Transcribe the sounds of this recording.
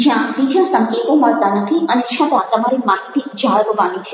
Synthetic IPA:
d͡ʒjãd̪id͡ʒasə̃ŋket̪õməɭt̪anət̪ʰiʔəneʃat̪at̪əmaɾemaɦit̪id͡ʒʱaɭɡʋanit͡ʃʰe̥

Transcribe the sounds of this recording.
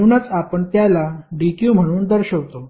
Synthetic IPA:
unət͡sapəɳt̪jalaɖikjũːm̤əɽ̃uːnd̪əɾɕəʋt̪o

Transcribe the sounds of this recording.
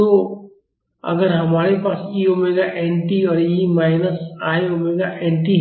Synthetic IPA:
oː | ɐ̰ɡəɾɦɐmaːɾepaːsiomẽːɡaʔɛːɳʈiɔːɾjimaːɪnəsaːɦeoːmeːɡaʔɛːɳʈi

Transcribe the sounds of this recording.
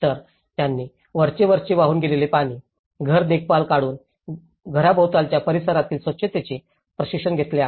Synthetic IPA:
t̪əɾ | t̪janːiː | ʋəɾt͡ɕeʋəɾt͡ɕeʋaɦuːnɡelelepaɽ̃iː | ɡʱəɾd̪ek̚ʰpalkaɽuːn | ɡʱəɾabowt̪alt͡ɕjapəɾisəɾat̪iːlsʋətːɕət̪et͡ɕe | pɾəɕikʂənɡʱet̪leaɦ

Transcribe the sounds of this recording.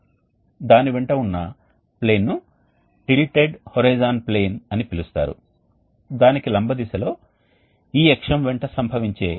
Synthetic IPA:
d̪aːniʋɛɳʈɐunːɐ | ple̞ːnːu | ʈiɭiʈeɖhoɾɐjd͡ʒaːnpleːnɐnipilust̪a̰ːɾṵ | d̪aːnikilɐmbʱɐd̪isɐlo̞ː | iːɛkʂɐmʋɛɳʈɐsɐmbʱɐʋiɲt͡ʃe̞ː

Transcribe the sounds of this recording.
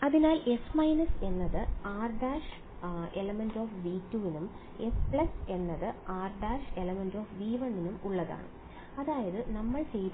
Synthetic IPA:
ɐðinaːle̞smɐjnɐse̞nːɐðɨaːrɖaːʂ | e̞lɐmendoːfʋiːtːuːʋinum | e̞spɭɐse̞nːɐðɨaːrɖaːʂe̞lɐmendo̞ːfʋiːʋɐɳːinumuɭːɐða̰ːɳɨ̰ | ɐðaːjɐðɨnɐmːɐɭt͡ɕej

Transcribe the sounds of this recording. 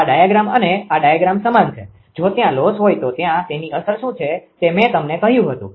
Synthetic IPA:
aɖajaɡɾaməneaɖajaɡɾamsəmant͡ʃʰḛ | d͡ʒot̪jãlosɦojt̪ot̪jãt̪eniəsəɾʃũt͡ʃʰet̪emɛ̃t̪əmnekəɦjũɦət̪ṵ̃

